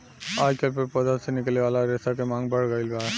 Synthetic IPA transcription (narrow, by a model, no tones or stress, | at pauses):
aːjkelpəɾpɔd̪asenɪkleʋaːlaɾesakemãːŋɡbʱəɽɡəɪlɡa